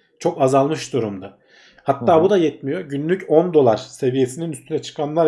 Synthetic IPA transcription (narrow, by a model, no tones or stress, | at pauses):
t͡ʃʰo̞kazalˠmɯʃd̪uɾumd̪a | hat̪ːaːbud̪ajɛt̪̚mijo̞ɟynlʲycʰo̞nd̪o̞lˠaɾ̥se̞vije̞sininyst̪ʰynɛt͡ʃʰɯ̥kʰanlˠaɾ